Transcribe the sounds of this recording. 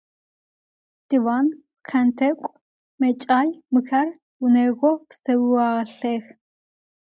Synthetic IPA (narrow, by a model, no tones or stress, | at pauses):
d̪̥iwan | kʰɛnt̪ʰɛkʷʼ | mɛt͡ʃʼajmɨkʰæɾ | wunɛɣɔpsɛwuaːɬɛx